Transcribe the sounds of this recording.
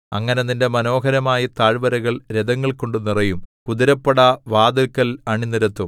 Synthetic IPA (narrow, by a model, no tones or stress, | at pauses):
ɐ̰ŋːɐneðinde̞mɐno̞ːɦɐɾɐmaːjɐt̪aːɻʋɐɾɐɣɐɭɾed̪ɐŋːɐɭko̞ɳɖɨnirɐjumkuðiɾɐpːɐɽɐʋaːd̪ɐkːɐlɐɳinːiɾɐt̪ːum